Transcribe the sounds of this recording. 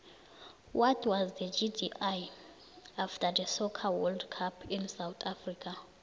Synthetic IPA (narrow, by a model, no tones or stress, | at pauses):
wɔtʰwazdəd͡ʒidiʔaj | aftʰadəsɔkʰawɔldkʰapʰĩnsawt̪ʰafrikʰa